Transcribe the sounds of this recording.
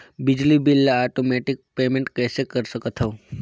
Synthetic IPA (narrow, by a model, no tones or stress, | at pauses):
bid͡ʒlibilːaaʈomeʈik̚pemeɳʈkɛsekəɾʃəkat̪ʰaũ